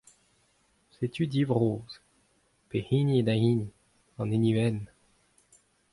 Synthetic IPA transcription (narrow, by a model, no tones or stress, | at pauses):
set̪ʰyd̪ivʁoːz̥ | pehinied̪aiːni | ɑ̃neniɛn